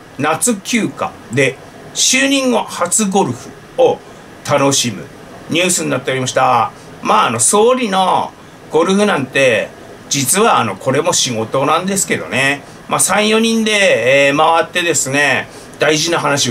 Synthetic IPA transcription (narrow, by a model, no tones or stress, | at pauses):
nat͡sɨkʲɨːka̰ | d̪e̞ | ɕɨːɲ̟ĩŋːo̞hat͡sɨɡo̞ɾɯ̟ɸɯ̟ | o | t̪ano̞ɕimɯ̟̰ | ɲ̟ʲɨːsɨɲinat̪ːe̞oɾʲimaɕi̥t̪a | maːno̞so̞ːɾʲino̞ | ɡ̥o̞ɾɯ̟ɸɯ̟nãnt̪e̞ | d͡ʑit͡sɨβaːno̞kʰo̞ɾe̞mo̞ɕiɡo̞t̪o̞nãnd̪e̞sɨ̥ke̞d̪o̞̰ne̞ | maːsãɰ̃jo̞ɲ̟ĩnd̪e̞ːmaβat̪ːe̞d̪e̞sɨne̞ | d̪̥aiʑinaɦanaɕi